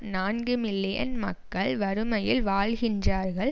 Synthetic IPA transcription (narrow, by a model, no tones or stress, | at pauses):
naːnɡɯmɪlːɪjɐ̰nmɐkːɐɭʋɐɾɯmɐjɪlʋaːɭɣɪndraːɾɣɐɭ